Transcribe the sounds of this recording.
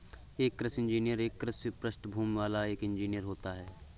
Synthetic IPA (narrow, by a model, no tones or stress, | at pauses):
eːkːɾəsɪ̃nd͡ʒiːnijəɾeːkːɾəspɾəsʈbʱuːmʋaːlaeːkɪ̃nd͡ʒiːnijəɾɦoːt̪aɦɛː